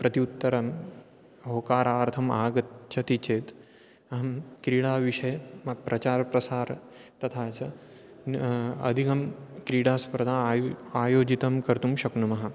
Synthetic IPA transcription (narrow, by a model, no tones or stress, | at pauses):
pɾɐt̪iut̪ːɐɾɐm | ɦoːkaːɾaːɾt̪ʰɐmaːɡɐt̪t͡ʃʰɐt̪it͡ʃeːt̪ | ɐɦɐmkɾiːɽaːʋiʂɐjmɐpɾɐt͡ɕaːɾpɾɐsaːɾ | t̪ɐt̪ʰaːt͡ʃɐ | ɐ̰d̪ʱikɐmkɾiːɽaːspɾɐd̪ʱaːaːjoːd͡ʑit̪ɐmkɐɾt̪umʃɐknumɐɦɐ